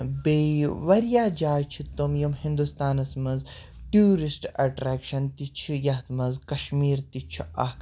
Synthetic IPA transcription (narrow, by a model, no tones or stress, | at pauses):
beʋɐɾjaːd͡ʒaːjt͡ʃʰit̪umjumhĩnd̪ust̪aːnɐsmɐnz | ʈjuːɾisʈɐʈɾeːkʃɐnt̪it͡ʃʰijɐt̪mɐzkɐʃmiːɾt̪it͡ʃʰiɐ̰